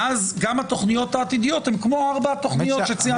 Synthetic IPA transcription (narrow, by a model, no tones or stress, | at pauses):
azɡamhat̪o̞χnijo̞t̪haːt̪id̪ijo̞t̪hemkmo̞aʁbat̪o̞χnijoʃet͡sia